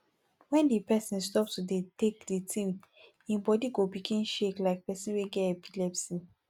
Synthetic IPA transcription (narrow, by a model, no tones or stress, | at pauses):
wɛ̃ndipɛsĩnstɔptudetekditʰĩm | ĩbɔdiɡobiɡĩnʃeklaɪk̚pɛsĩnweɡɛepilɛpsĩ